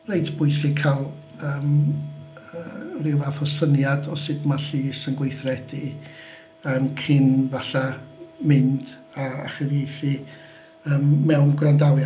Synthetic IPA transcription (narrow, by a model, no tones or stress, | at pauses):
rejdʰb̥ʊɨsɪkʰalˠ | əːm | ərɪwafɔsənjadɔsɨdmaɬiːsənɡwejθrɛd̥i | əmkʰɪnvaɬamɪnd̥ | aa̰χəvejθɨ | əːmːɛwnɡrandawja